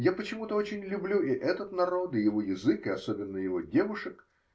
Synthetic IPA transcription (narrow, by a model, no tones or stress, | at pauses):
japət͡ɕɪmut̪əot͡ɕɪnʲlʲʊblʲuɪʔɛt̪ət̪nɐɾo̞t̪ɨjɪvo̞jɪzɨkɨɐso̞bʲɪnːəjɪvo̞dʲe̞vʊʂək